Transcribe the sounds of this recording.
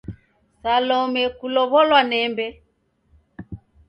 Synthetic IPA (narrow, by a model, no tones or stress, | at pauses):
salɔmɛkulɔβɔlwanɛmbɛ